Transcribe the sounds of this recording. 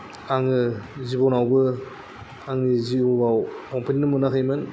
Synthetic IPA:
aŋɯzibɔnawɡɯ | aŋɯziɔbawkɔmpʰininɯmɯnakʰɯjmɯn

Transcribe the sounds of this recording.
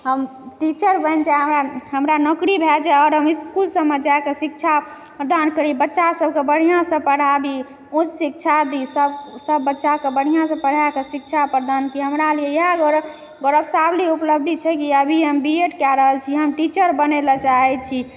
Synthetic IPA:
ɦəmʈit͡ʃəɾbənd͡ʒaɦəmɾaɦəmɾanɔkɾibʱɛd͡ʒaɔːɾɦəmiskulsəmːed͡ʒaekesik̚t͡ʃʰa | pɾəd̪ankəɾibətːʃasəb̚ʱkebəɽ̤ijãsə̃pəɽ̤abi | ũt͡ʃsikt͡ʃʰad̪isəbsəbːətːʃakebəɽ̤ijãsə̃pəɽ̤aekesik̚t͡ʃʰapɾəd̪ankiɦəmɾalijeeɦaɡɾ | ɡoɾəbsabliupləb̚d̪ʱit͡ʃʰɛkiəbʱiɦəmbieʈkaɾəɦəlt͡ʃʰiɦəmʈit͡ʃəɾbənelət͡ʃaɦɛt͡ʃʰi

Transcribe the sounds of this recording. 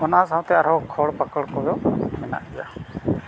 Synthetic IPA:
ɔnasaw̃t̪ɛaɾɔkʰɔɽpakəɽkɔjɔmɛna̰ʔɡija̰

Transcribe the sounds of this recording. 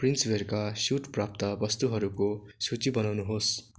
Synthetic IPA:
print͡sberkasuʈprap̚t̪ʌbʌst̪uɦʌɾukosut͡sibʌnawnuɦos

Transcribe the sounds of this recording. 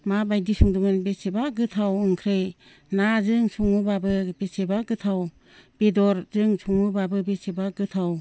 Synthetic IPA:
mabajdisuŋduŋɯnbesebaɡɯtʰawɯŋkʰɾej | nazɯŋsʰuŋɯbabɯbesebaɡɯtʰaw | b̥edɔɾzɯŋsʰuŋubabɯbesebaɡɯtʰaw

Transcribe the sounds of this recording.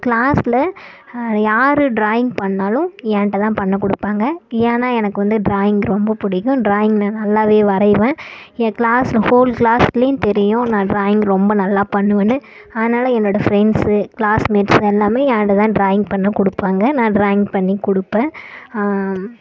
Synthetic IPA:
kɭaːslɐ | jaːɾɯɖɾaːjɪ̃ŋɡpɐɳːaːlʊ̃aːnʈːɐt̪ãːpɐɳːɐkɔɽɯpːaːŋɡɐaːnaːɛnɐkːɯʋɐnd̪ɯɖɾaːjɪŋɡɾɔmbɐpʊɽɪkːʊ̃ɖɾaːjɪŋɡnãːnɐlːaːʋeːʋɐɾɐɪʋẽːɪɐkɪɭaːslɐhoːlklaːslɐjʊ̃t̪ɛɾɪjʊ̃nãːɖɾaːjɪŋɡɾɔmbɐnɐlːaːpɐɳːɯʋɐnɯ | ɐðɐnaːlɐɛnːoːɽɐfɾɛnɖsɯkɭaːsmeːʈsɛlːaːmeːjaːnʈɐt̪ãːɖɾaːjɪŋɡpɐɳːɐkɔɽɯpːaːŋɡɐnãːɖɾaːjɪŋɡpɐɳːikɔɽɯpːẽː

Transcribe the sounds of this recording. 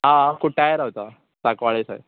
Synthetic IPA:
ɦãkuʈʰːajɾaut̪a | sakʋaɭesa̰j

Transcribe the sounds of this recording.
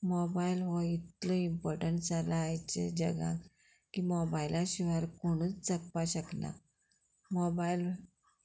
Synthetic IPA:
mobailɦɔit̪ləimpɔɾʈəɳʈsalaːjt͡ɕḛd͡ʑəɡã̰ | kimɔbailaɕiʋaɾkoɽ̃uːt͡st͡səkpaɕəkna̰ | mɔbail

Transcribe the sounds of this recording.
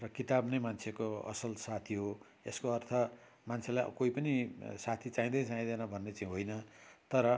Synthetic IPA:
rʌkit̪abnʌjmant͡sʰekoʌ̰sʌlsat̪ʰiɦo | eskoʌrt̪ʰʌ | mant͡sʰelaj̰koipʌnisat̪ʰit͡saĩd̪ʌjt͡saĩd̪enʌbʱʌnːet͡saĩɦojnʌt̪ʌɾʌ

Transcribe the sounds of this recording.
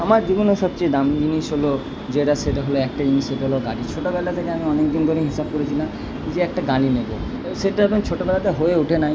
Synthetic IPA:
amaɾd͡ʒibɔnoʃɔp̚t͡ʃed̪amd͡ʒinisɦolo | d͡ʒeɽaseʈaɦoloɛk̚ʈad͡ʑiniseʈaɦoloɡaɽit͡ʃʰoʈobɛlat̪ʰekeamiɔnekd̪ind̪ʱoɾeɦisab̚koɾet͡ɕʰila | d͡ʒeɛkʈaɡaɽinebo̰ | seʈaɛbɔnt͡ʃʰoʈobɛlat̪aɦoeuʈʰenaj

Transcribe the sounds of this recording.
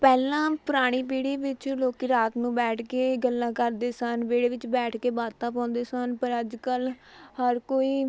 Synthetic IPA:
pɛːlãːpʊɾaːɽ̃iːpeːɽeːʋɪt͡ʃloːkiːɾaːt̪nũːbɛːʈʰkeːɡəlːãːkəɾd̪eːsənbeːɽeːʋɪt͡ʃbɛːʈʰkeːbaːt̪ãːpãːnd̪eːsənpəɾəd͡ʒkəlhəɾkoːiː

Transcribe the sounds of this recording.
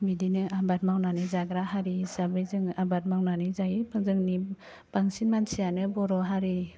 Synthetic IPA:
bidinɯabat̚mawnanɯzaɡɾaɦaɾizabɯjzɯŋabat̚mawnanɯzaibʰɯzɯŋni | b̥aŋsinmansijanɯbɔɾɔɦaɾi

